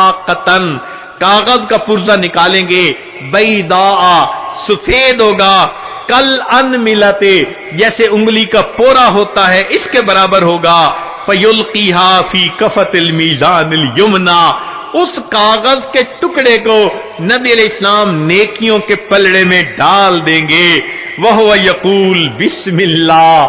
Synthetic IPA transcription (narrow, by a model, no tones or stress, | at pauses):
aːqət̪ən | kaːɣəzkapʊɾzanɪkaːlẽːɡe | bɐɪid̪aːʔasʊfeːd̪ɦoːɡaːkɐlɐnmɪlaːt̪e | d͡ʒɛːseʊ̃ŋɡlikapoːɾaɦoːt̪aɦɛʔɪskebɐɾaːbəɾɦoːɡaː | fɐjʊlqiːɦaːfiːkɐfɐt̪lmiːzaːnɪljʊmnaː | ʊskaːɣəzkeʈʊkɽeko | nɐbiɐlɛːɪslaːmneːkijõkepɐlɽemẽɖaːld̪ẽːŋɡeː | ʋɐɦʊʋajɐquːlbɪsmɪlːaː